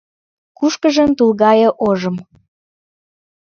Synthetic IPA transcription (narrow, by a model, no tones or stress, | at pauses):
kuʃkəʒəmt̪ulɣɑjə̆ʔoʒə̆m